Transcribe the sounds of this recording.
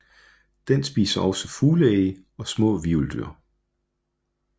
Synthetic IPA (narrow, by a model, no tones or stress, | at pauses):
d̥ensb̥ḭːsɐʔɒ̽səfuːləeː | ɒ̽smɔ̰̽ːʋiuld̥y̰ɐ